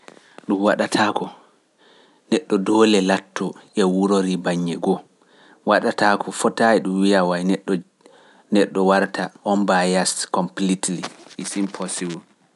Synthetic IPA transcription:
ɗumwaɗatʰakɔ | nɛɗːɔdɔːlɛlatːɔʔɛwuɾoɾibaɲːɛɡɔ | waɗatakʰɔfɔtaiɗumwijawajnɛɗːɔ | nɛɗːɔwaɾtaʔɔnbajaskɔmplitliisimpʰɔsiwu

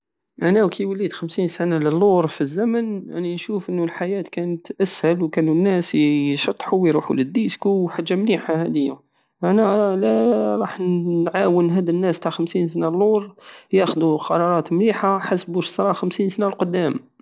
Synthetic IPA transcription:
ʔænæwkʰijwəlːid̪xəmsinsanaləlːuɾˤfizːæmənjaʕninʃufʔənːulħajæt̪kænət̪ʔæshælwkænunːæsʃɑt̪ˤːħuwiɾuħṵləd̪ːiskuħaʒːamniħahæd̪əjːæ | ʔænælæɾˤɑħnʕawənɦæd̪ənːæst̪aʕxəmsinsnalːuɾˤjæxd̪uqɑɾˤɑɾˤɑt̪mliħaħasbuʃsɾˤɑxəmsinsnalqod̪ːæm

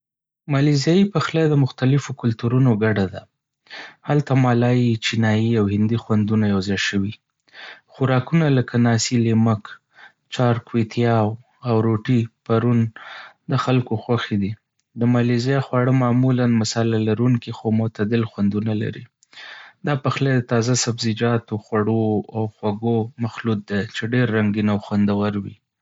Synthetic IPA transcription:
mɑlizjɑjipaxlajd̪əmʊxt̪alɪfokʊlt̪uɾunoɡaɖad̪a | halt̪amɑlɑjit͡ʃinɑjiawhɪnd̪ixwand̪unajawzɑjʃəwi | xʊɾɑkunaləkanɑsilemək | t͡ʃɑɾkwet̪ʰjɑw | awɾoʈipaɾund̪əxalkoxwaxed̪i | d̪əmɑlizjaxwɑɽəmɑmulanmasɑlalaɾuŋkixomʊt̪ad̪ɪlxwand̪unala̰ɾḭ | d̪ɑpaxlad̪ət̪ɑzasabzɪd͡ʒɑt̪oxwaɽoawxwaɡomaxlut̪̚d̪at͡ʃeɖeɾːaŋɡinawxwand̪awaɾwi

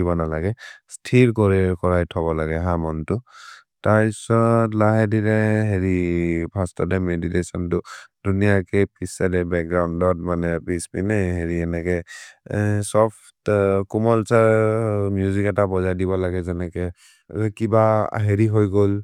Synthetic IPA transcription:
ibɔnalaɡɛstʰilkɔɹɛɹkɔɹajtʰɔbɔlaɡɛɦamɔntʊ | taɹpisɔtlaɦɛdiɾɛɦeɹibʱastɔdɛmeditesɔntʊd̥unijakɛpʰisadɛbɛk̚ɡɹawndɔt̚manɛpisbinɛɦeɹiɛnɛkɛ | sɔpʰ | tkumɔlsaɹmjuzikɛtabɔzajdibɔlaɡɛzɛnɛkɛ | kiba̰ɦeɹiɦojɡol

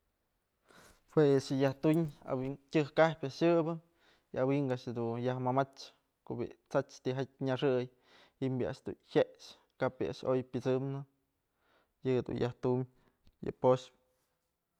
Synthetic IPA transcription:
hwesɨjaht̪uɲa̰wiŋtʲɨhkahpʲjaʃɨbɨ | iawiŋɡaʔʃed̪ujahmamat͡ʃ | kobḭt͡sat͡ʃt̪iɦat̚ʲɲaʂɨj | himbʲia̰ʔʃd̪ṵnhʲeʃ | kapiʔa̰ʔʃojpʲɨt͡sɨmnɨ | jɨd̪ṵnjaht̪umʲ | jɨ̰poʃp

